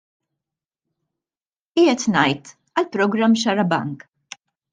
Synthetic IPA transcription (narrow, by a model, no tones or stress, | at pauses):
iːɛt̪nɐjt̪ | ɐlpɾɔɡɾɐmːʃɐɾɐbɐ̰ŋk